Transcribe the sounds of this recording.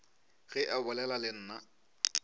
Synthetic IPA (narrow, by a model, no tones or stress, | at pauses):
ɣɪʔɛbʊlɛlalɪn̩ːna